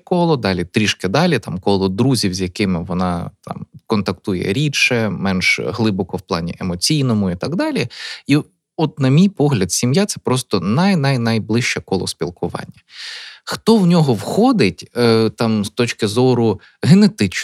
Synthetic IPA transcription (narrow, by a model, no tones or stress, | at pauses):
kɔlˠɔd̪ɑlʲit̪ɾʲiʃkɪd̪ɑlʲit̪ɑmkɔlˠɔd̪ɾuzʲiwzʲjɐkɪmɪʋɔnɑ̰t̪ɑ̰mkɔnt̪ɐk̚t̪ujɛ̰ɾʲiʃɛmɛnʃɦlˠɪbɔkɔwplˠɑ̰nʲḭʔemɔt͡sʲijnɔmʊit̪ɑɡd̪ɑlʲii | ɔt̪nɐmʲijpɔɦlʲɐd̪sʲimjat̪sɛpɾɔst̪ɔnɐjnɐjnɐjblˠɪʃt͡ʃɛkɔlˠɔ̰spʲilˠkʊʋɑ̰nʲːɐxt̪ɔwnʲɔɦɔwxɔd̪ɪtʲt̪ɑmst̪ɔt͡ʃkɪzɔɾʊ | ɦenet̪ɪt͡ʃ